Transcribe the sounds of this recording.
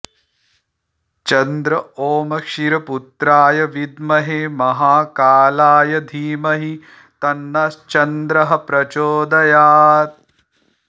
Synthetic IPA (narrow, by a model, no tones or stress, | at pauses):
t͡ʃɐnd̪ɾɐoːmɐkʃiɾɐput̪ɾaːjɐʋid̪mɐɦeːmɐɦaːkaːlaːjɐd̪ʱiːmɐɦi | t̪ɐnːɐst͡ʃɐnd̪ɾɐɦɐ̆pɾɐt͡ʃoːd̪ɐjaːt̪̚